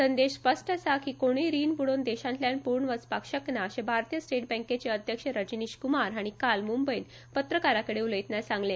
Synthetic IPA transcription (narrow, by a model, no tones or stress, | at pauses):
sənd̪eɕfəsʈasakiːkoɽ̃iːɾiːnpuɽond̪eɕãnt̪ljanpuɾɳʋət͡spakɕəknaːɕẽbʱaɾt̪ijəsʈeʈ̚bɛ̃ŋket͡ɕeəd̪ʱjəkʂəɾəd͡ʑiniɕkumaɾɦaɽ̃ikalmumbəjn | pət̪ɾəkaɾakəɽeuləjt̪nasãŋɡle